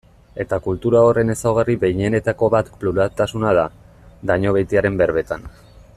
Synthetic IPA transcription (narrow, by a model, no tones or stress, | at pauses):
e̞t̪akult̪uɾao̞re̞ne̞sawɣ̞ariβe̞jɲe̞ne̞t̪ako̞βat̪pluɾat̪asunað̞a | d̪aɲo̞β̞ejt̪iaɾe̞mbe̞ɾβe̞t̪an